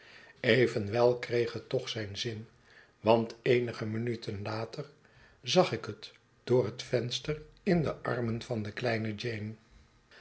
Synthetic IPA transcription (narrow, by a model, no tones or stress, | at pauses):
ejvənʋɛlˠkrejχɦətɔχsɛjnzɪn | ʋɑntejnəχəmənytʰənlaːtər | zɑχɪkɦət | d̥ʊːrɦətfɛnstərɪndəʔɑ̰rmənv̥ɑndəklɛjnəd͡ʒejn